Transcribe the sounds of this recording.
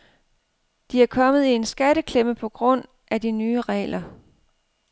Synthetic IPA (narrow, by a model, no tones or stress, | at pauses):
d̥iæɐkʰɒ̽məð̩ˠie̝nsɡ̥æɾəkʰleməpʰɒ̽ɡ̥ʁɔ̽n̰ | ʔæd̥inyːəʁɛ̰ːlɐ